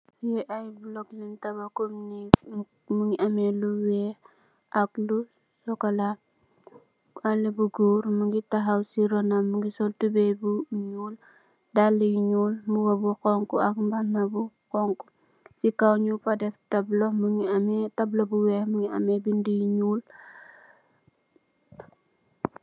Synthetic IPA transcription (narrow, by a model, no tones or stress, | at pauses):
jɛʔajblɔɡlintɐbakomni | muŋiʔamɛluwɛh | ʔaklu | sɔkala | alebuɡuːɾmuŋɡitaɦawsiɾɔnamuŋɡisɔltubebuɲuːl | dalːɛjiɲuːlmuwɐbuqɔŋkuak̚mbanabu | kɔŋku̥ | t͡ʃikawɲufadɛftɐblɔmuŋiamɛtɐblobuwɛhmuŋiɐ̰mɛbindijiɲuːl